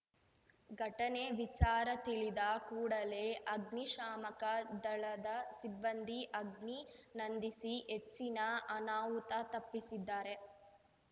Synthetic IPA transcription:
ɡʱɐʈɐne̞ʋit͡ʃaːɾɐt̪iɭid̪ɐkuːɽɐle̞ːʔɐɡniʃaːmɐkɐd̪ɐɭɐd̪ɐsibːɐnd̪iʔɐɡninɐnd̪isiɦet͡ʃːinɐɐnaːʋut̪ɐt̪ɐpːisid̪ːaːɾe̞

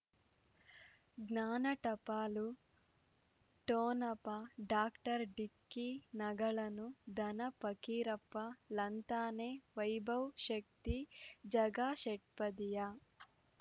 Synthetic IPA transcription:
ɡnaːnɐʈɐpaːlu | ʈoːnɐpɐɖaːkʈɐɾɖikːinɐɡɐɭɐnud̪ʱɐnɐpɐkiːɾɐpːɐlɐnt̪aːneːʋɐjbʱɐwʃɐk̚t̪id͡ʒɐɡaːʃɛʈ̚pɐd̪ija

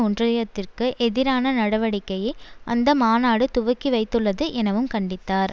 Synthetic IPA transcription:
ʊɳdrɐjɐt̪ːɪrkɯʔɛðɪɾaːnɐnɐɽɐʋɐɽɪkːɐjɪʔɐ̰nd̪ɐmaːnaːɽɯt̪ʊʋɐkːiʋɐɪt̪ːɯɭːɐðɯʔɛnɐʋɯmkɐɳɖɪt̪ːaːɾ

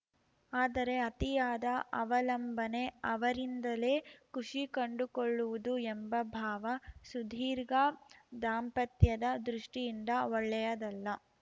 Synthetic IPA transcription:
aːd̪ɐɾe̞ɐt̪ijaːd̪ɐʔɐʋɐlɐmbʱɐne̞ɐʋɐɾind̪ɐle̞ːkuʂikɐɳɖukoɭːuʋud̪uembɐbʱaːʋɐsud̪ʱiːɾɡad̪aːmpɐt̪jɐd̪ɐd̪ɾuʂʈijind̪ɐɔɭːɛjɐd̪ɐlːɐ

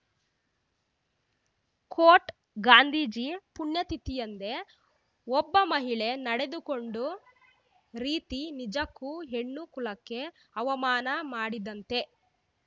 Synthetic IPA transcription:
kʰoːʈ | ɡaːnd̪ʱiːd͡ʒipuɳjɐt̪it̪ijɐnd̪e̞ | ɔbːɐmɐɦiɭe̞nɐɽe̞d̪uko̞ɳɖu | ɾiːt̪inid͡ʒɐkːuɦeɳːukulɐkːe̞ | ɐʋɐmaːnɐmaːɽid̪ɐnt̪e̞

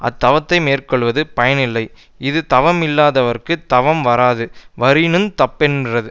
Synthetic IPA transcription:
ʔɐ̰t̪ːɐʋɐt̪ːɐɪmeːrkɔɭːʋɐðɯpɐjɐnɪlːɐɪ | ɪðɯt̪ɐʋɐmɪlːaːðɐʋɐɾkɯt̪ɐʋɐmʋɐɾaːðɯʋɐɾɪnɯmt̪ɐpːɛndrɐðɯ

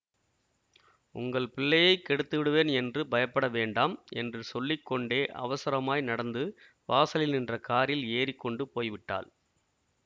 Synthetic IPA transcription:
ʊ̰ŋɡɐɭpɪɭːɐjɐɪkːɛɽɯt̪ːɯʋɪɽɯʋeːnɛndrɯbɐjɐpːɐɽɐʋeːɳɖaːmʔɛ̰ndrɯsɔlːɪkːɔɳɖeːʔɐ̰ʋɐsɐɾɐmaːjnɐɽɐnd̪ɯ | ʋaːsɐlɪlnɪndrɐkaːɾɪleːɾɪkːɔɳɖɯpoːjʋɪʈːa̰ːl

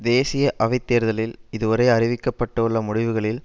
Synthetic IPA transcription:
d̪eːsɪjɐʔɐʋɐɪt̪ːeːɾðɐlɪlɪðɯʋɐɾɐɪɐrɪʋɪkːɐpːɐʈːɐɯɭːɐmʊɽɪʋɯɣɐɭɪl

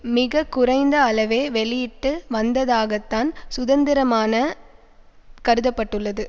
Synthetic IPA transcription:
mɪɣɐkːʊrɐɪnd̪ɐːlɐʋeːʋɛɭɪjɪʈːɯʋɐnd̪ɐðaːɣɐt̪ːaːnsʊðɐnd̪ɪɾɐmaːnɐ | kɐɾɯðɐpːɐʈːɯɭːɐðɯ

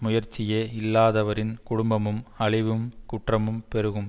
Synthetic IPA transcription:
mʊjɐɾt͡ʃːɪjeːɪlːaːðɐʋɐɾɪnkʊɽʊmbɐmɯmɐɭɪʋɯmkʊʈrɐmɯmpɛɾɯɣɯm

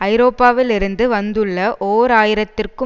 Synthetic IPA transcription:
ɐɪɾoːpːaːʋɪlɪɾɯnd̪ɯʋɐnd̪ɯɭːɐʔoːɾaːjɪɾɐt̪ːɪrkɯ

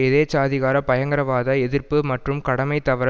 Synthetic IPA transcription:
ɪðeːt͡ʃaːðɪɣaːɾɐpɐjɐŋɡɐɾɐʋaːðɐɛðɪrpɯmɐʈrɯmkɐɽɐmɐɪt̪ːɐʋɐɾɐ

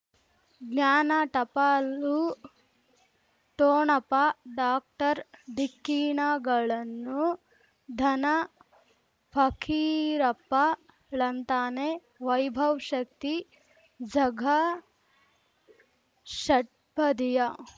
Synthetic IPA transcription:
ɡnaːnɐʈɐpaːlu | ʈoːɳɐpɐɖaːk̚ʈɐɾɖ̪ʱikːiːɳaɡɐɭɐnːu | d̪ʱɐnɐ | pʰɐkʰiːɾɐpɐ | ɭɐnt̪aːne | ʋɐjbʱɐwʃɐk̚t̪i | d͡ʒɐɡʱɐ | ʃɐʈ̚pɐd̪ijɐ

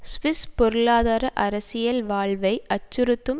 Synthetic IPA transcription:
sʋɪspɔɾɯɭaːðaːɾɐʔɐɾɐsɪjɐlʋaːɭʋɐɪɐt͡ʃːʊɾɯt̪ːɯm

